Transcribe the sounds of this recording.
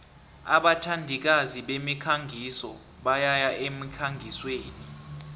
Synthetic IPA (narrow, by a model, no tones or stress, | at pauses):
aɓatʰandʱik̬aziɓemikʰaŋɡʱisɔ | ɓajajaʔemikʰaŋʱisweːni